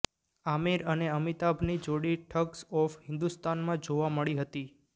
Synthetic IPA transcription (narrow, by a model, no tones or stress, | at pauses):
amiɾəneəmit̪abʱnid͡ʒoɽiʈʰəksɔfhɪ̃nd̪ust̪anmãd͡ʒoʋaməɭiɦət̪i